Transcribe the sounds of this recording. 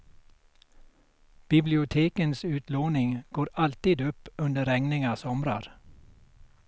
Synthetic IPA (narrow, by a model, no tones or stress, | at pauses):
b̥ɪblɪʊt̪ʰeːkənsʉ̟ːt̪loːnɪŋɡoːɾalt̪iːd̪ɵpːɵnd̪əɾɛŋnɪŋasɔmɾa̰ɾ